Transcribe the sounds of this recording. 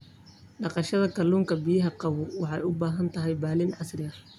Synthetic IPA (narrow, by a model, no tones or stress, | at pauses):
ɖɑqɑʃɐðɐkʰɐluːŋkʰɐbɪjɐɦɐqɑwʊwɑħɑjʊbaːɦɐnt̪ʰɐɦɛjbaːlɪnɑsrɪɐ